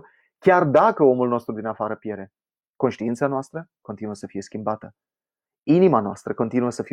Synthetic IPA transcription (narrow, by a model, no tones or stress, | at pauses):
kʲard̪akəo̞mulno̞st̪ɾud̪inafaɾəpje̞ɾe̞ | ko̞nʃt̪iint̪sanoast̪ɾəko̞nt̪inuəsəfije̞skʲimbat̪ə | inimanoa̰st̪ɾəko̞nt̪inuəsəfi